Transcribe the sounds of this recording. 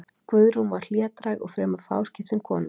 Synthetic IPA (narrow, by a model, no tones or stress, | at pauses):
kvœðɾumvaɾ̥l̥jɛːt̪ɾajɣɔɣfɾɛːmḁfa̰ːwscɪft̪ɪnkʰɔːnʏ